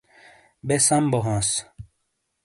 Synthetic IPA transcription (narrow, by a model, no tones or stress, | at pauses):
besɐmboɦõːs